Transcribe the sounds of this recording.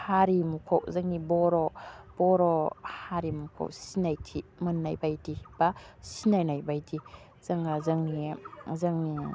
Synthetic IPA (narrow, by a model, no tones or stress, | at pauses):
haɾimukʰɔw̚zaŋnibɔɾɔb̥ɔɾɔhaɾimukʰo̰k̚sinajtʰimɯnːajbajtihibasinajnajbajti | z̥aŋazaŋnizaŋni